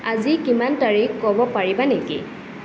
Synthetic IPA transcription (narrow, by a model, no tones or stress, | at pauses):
azikimantaɹikːɔbɔpaɹibanekḭ